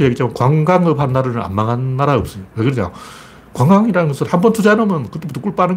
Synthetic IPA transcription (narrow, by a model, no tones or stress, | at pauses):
jeɡit͡ɕakwaŋɡaŋɯpɦannːaɾɯnɯna̰mmaŋɦanːaɾaɯp̚s͈ʌjowekɯɾʌɲa̰ | kwaŋɡaŋiɾanɯnɡʌsʰɯɭhambʌntʰud͡ʑaenomjʌnkɯt͈epot͈ːok͈uɭp͈anɯ